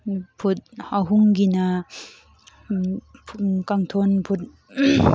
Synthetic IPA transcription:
pʰut̚aɦuŋɡina | kaŋtʰonpʰut̚

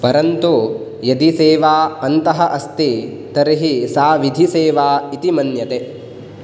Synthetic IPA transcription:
pɐɾɐnt̪u | jɐd̪iseːʋaːɐnt̪ɐɦɐʔɐst̪i | t̪ɐɾiɦisaːʋid̪ʱiseːʋaːit̪imɐnjɐt̪e

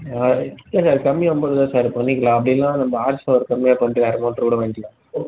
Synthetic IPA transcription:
lːesaːɾkɐmːɪjɔmboːðɯðãːsaːɾpɐɳːɪkːɐlãːɐp̬ːɐɽɪjɛlːãːnɐmbɐaːɾsaʋɐɾɯkɐmːɪjaːpɐɳʈːɯɐɾɐmɐːʈːɾkuːɽɐʋeːnɡɐlã

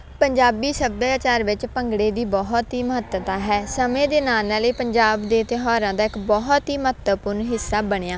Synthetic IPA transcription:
pəɲd͡ʒaːbiːsəbjaːt͡ʃaːɾʋɪt͡ʃpəŋɡɽeːd̪iːbɔɦt̪ɦiːməɦət̪ət̪aːɦɛːsəmẽːd̪eːnaːnaːleːpəɲd͡ʒaːbd̪eːt̪ɪɦɔːɾãːd̪aːɪkbɔːɦt̪ɦiːməət̪əpʊɾnɦɪsːaːbəɽ̃eːjaː

